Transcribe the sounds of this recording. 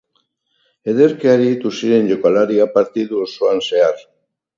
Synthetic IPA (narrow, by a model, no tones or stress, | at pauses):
eðeɾkeaɾit̪usiɾenʎekwalaɾiapaɾt̪iðuosoanseaɾ